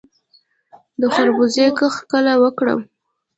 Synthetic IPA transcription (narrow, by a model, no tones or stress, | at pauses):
d̪əxaɾbuzekəxkəlawəkɽə̰w